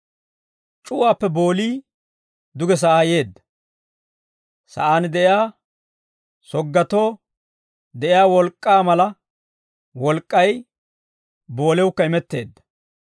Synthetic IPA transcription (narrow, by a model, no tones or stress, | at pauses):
t͡ʃʼʊwaːpːɛbo̞ːliː | d̪ʊɡɛs̬ɐʔaːje̞ːd̪ːɐ | sɐ̰ʔaːnd̪ɛɪaː | sɔɡːɐt̪o̞ː | d̪ɛʔɪjaːwɔlkʼːaːmɐlɐ | wɔlkʼːɐj | bo̞ːlɛwʊkːɐɪmɛt̪ːe̞̰ːd̪ːɐ̥